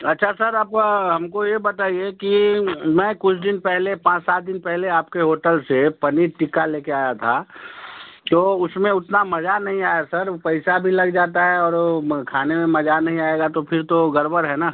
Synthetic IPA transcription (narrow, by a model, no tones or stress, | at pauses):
ɐtːʃʰasɐɾɐbɦɐmkojebɐt̪aːiekimɛ̃ːkʊt͡ʃʰd̪ɪnpɛɦlepãːt͡ʃsaːt̪̚d̪ɪnpɛɦleaːp̚keɦoːʈəlsepɐniɾʈɪkaleːkeaːjat̪ʰa | t̪oʊsmẽʊt̪namɐd͡ʒanɐɦĩaːjasɐɾpɐɪsabʱilɐɡd͡ʒaːt̪aɦɛɔːɾkʰaːnemẽmɐd͡ʒanɐɦĩaːeɡat̪opʰɪɾt̪oɡɐɾbəɾɦɛnaː